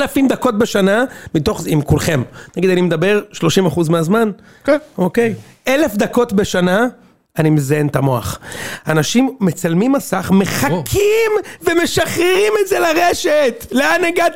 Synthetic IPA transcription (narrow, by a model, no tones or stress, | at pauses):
lafimd̪ako̞t̚be̞ʃanamit̪o̞χimkulχe̞mnaɡid̪animed̪abe̞ʁʃlo̞ʃimaχuzmeazman | okej | ele̞fd̪ako̞tbe̞ʃana | animezajentamo̞a̰χanaʃimːe̞t͡salmimːasaχme̞χakʰimveme̞ʃaχeʁimetzelaʁeʃetleaneɡat̪